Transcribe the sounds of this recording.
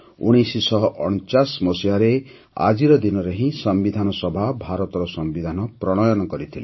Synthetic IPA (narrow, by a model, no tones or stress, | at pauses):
ṵɽ̃isisɔɦɔʔɔnt͡ʃasmɔsiaɾe | a̰d͡ʒiɾɔd̪inɔɾeɦĩsɔmbid̪ʱanɔsɔbʱabʱaɾɔt̪ɔɾɔsɔmbid̪ʱanɔpɾɔɽ̃ɔjɔnɔkɔɾit̪ʰile